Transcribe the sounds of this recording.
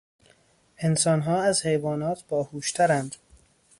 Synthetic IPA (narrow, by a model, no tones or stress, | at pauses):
ʔe̞nsɒːnɦɒːæzhe̞jvɒːnɒːt̪ʰb̥ɒːhuːʃt̪ʰæɾænd̪̥